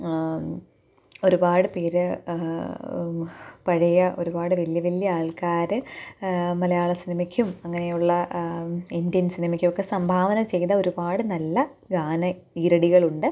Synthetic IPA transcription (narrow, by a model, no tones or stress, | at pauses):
o̞ɾubaːɽɨpeːɾɨ | pɐɻɐjɐʔo̞̰ɾubaːɽɨʋɐljɐʋɐljɐaːɭkaːɾɨ | mɐlɐjaːɭɐsinɐmɐkʲːumɐŋːɐnejuɭːɐ | ind̪jɐnsinɐmɐkʲːumokːe̞sɐmbʱaːʋɐnɐmt͡ɕe̞jðɐo̞ɾubaːɽɨnɐlːɐ | ɡaːnɐiːɾɐɽiɣɐɭuɳɖɨ